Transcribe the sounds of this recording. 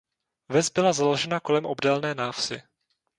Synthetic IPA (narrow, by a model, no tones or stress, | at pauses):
vɛzbɪlazalo̞ʒɛnako̞lɛmʔo̞bdɛlnɛːnaːfsɪ